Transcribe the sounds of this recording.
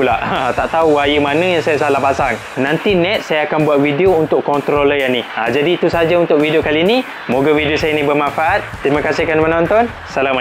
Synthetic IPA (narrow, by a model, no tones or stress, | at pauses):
lat̪aʔt̪auwajəmanə̃jaŋsajasalahpasaŋ | nãnt̪inɛt̪̚sajaakanbuat̪̚widiount̪ʊkːɔnt̪ɾoləjaniad͡ʒadiːt̪usad͡ʒaunt̪ʊk̚widiokalini | moɡawidiosajənĩbərmãfaʔat̪̚t̪ːɾimakasikanmənɔ̃nt̪ɔn | salama